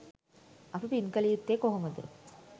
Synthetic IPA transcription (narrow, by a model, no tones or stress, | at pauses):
ɐpipinkəlijut̪ːeːkoɦoməd̪ə̰